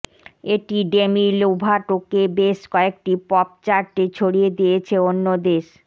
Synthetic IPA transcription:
eʈiɖemilobʱaʈokebeʃkɔek̚ʈipɔp̚t͡ɕaɾʈet͡ɕʰoɽied̪ijet͡ɕʰeonːod̪eʃ

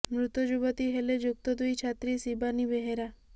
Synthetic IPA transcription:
mɾʊt̪əd͡ʒubət̪iɦeled͡ʒuk̚t̪əd̪ujt͡ʃʰat̪ɾisibanibeɦeɾa

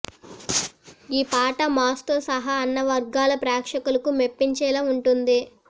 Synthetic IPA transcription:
iːpaːʈɐmaːst̪oːsɐɦɐːnːɐʋɐɾɡaːlɐpɾɛːkʂɐkulɐkumepːiɲt͡ʃɛːlaːuɳʈund̪i

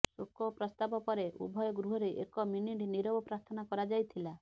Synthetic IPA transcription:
sukɔpɾɔst̪abɔpɔɾeʔṵbʱɔjɔɡɾuɦɔɾeʔekɔminiɖiniɾobɔpɾaɾt̪ʰɔnakɔɾad͡ʒajt̪ʰila

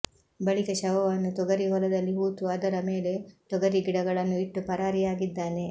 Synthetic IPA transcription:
bɐɭikɐʃɐʋɐʋɐnːut̪ɔɡɐɾiɦɔlɐd̪ɐlːiɦuːt̪uɐd̪ɐɾɐmeːle̞t̪ɔɡɐɾiɡiɽɐɡɐɭɐnːuiʈːupɐɾaːɾijaːɡid̪ːaːne̞

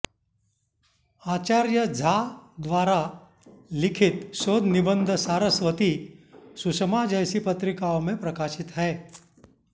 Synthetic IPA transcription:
aːt͡ʃaːɾjəd͡zʱad̪ʋaːɾa | lɪkʰɪt̪ʃoːd̪nibənd̪ʱsaːɾəsʋət̪isusəmad͡ʒəjsipət̪ɾɪkaomẽpɾɐkaːʃɪt̪ɦɛː

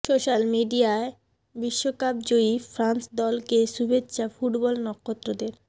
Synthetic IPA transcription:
soʃalmiɖiae | biʃːokap̚d͡ʑoifɾansd̪ɔlkeʃubʱetːɕʰafuʈbɔlnɔkʰːot̪ːɾod̪eɾ

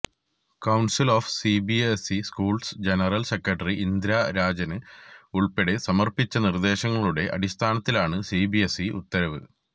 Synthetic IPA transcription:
kɐwɳsiloːfsibiesiskuːɭsd͡ʑenɐrɐlsekːɐʈɐriʔind̪ɾaɾaːd͡ʑɐnɨuɭpeɽe̞sɐmɐrpit͡ɕːɐnird̪e̞ːɕɐŋːɐɭuɽe̞ʔɐ̰ɽist̪ʰaːnɐt̪ːilaːɳɨsiːbiesiʔṵt̪ːɐɾɐʋɨ̰

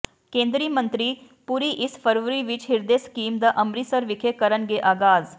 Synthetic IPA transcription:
kẽːnd̪ɾimə̃nt̪ɾiː | puːɾiʔɪspʰəɾʋəɾiʋɪt͡ʃɦɪɾd̪eskiːmd̪aːʔəmɾiːsəɾʋɪkʰekəɾənɡeʔaːɡaːz

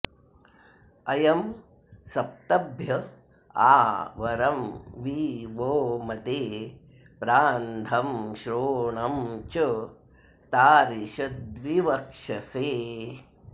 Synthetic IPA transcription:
ɐjɐm | sɐp̚t̪ɐbʱjɐ | a̰ːʋɐɾɐmʋiːʋoːmɐt̪eː | pɾaːnd̪ʰɐmʃɾoːɳɐmt͡ʃɐ | t̪aːɾiʃɐd̪ʋiʋɐkʂɐseː

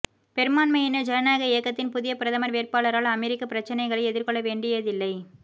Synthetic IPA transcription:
pɛɾɯmaːnmɐjɪnɐd͡ʒɐjɐnaːɣɐɪjɐkːɐt̪ːɪnpʊðɪjɐpɪɾɐðɐmɐɾʋeːrpaːɭɐɾaːɭɐmɛɾɪkːɐpɪɾɐt͡ʃːɐnɐɪɣɐɭɐɪɛðɪɾkɔɭːɐʋeːɳɖɪjɐðɪlːɐɪ

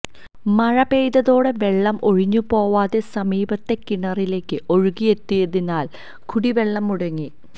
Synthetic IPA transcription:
mɐɻɐbe̞jðɐðo̞ːɽe̞ʋe̞ɭːɐmʔo̞ɻiɲːupo̞ːʋaːðe̞sɐmiːbɐt̪ːe̞kiɳɐrile̞ːkːɨʔo̞ɻuɣije̞t̪ːijeðinːaːl | kʰuɽiʋe̞ɭːɐmːuɽɐŋːi

